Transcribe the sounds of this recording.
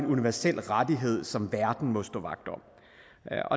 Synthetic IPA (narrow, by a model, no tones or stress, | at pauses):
enuniʋæɐsel̰ʁad̥iɦe̝ð̞̰ˠsɒ̽mʋæɐd̥n̩mɔ̽sd̥ɔ̰ːʋɑ̈ɡ̥̚d̥ɒ̽ | ɒ̽